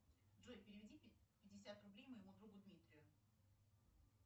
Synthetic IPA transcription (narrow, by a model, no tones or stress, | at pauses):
dʐojʲpʲɪɾʲɪvʲɪdʲipʲɪdʲɪsʲat̪rʊblʲejməjɪmud̪ɾuɡʊd̪mʲit̪ɾʲɪjʊ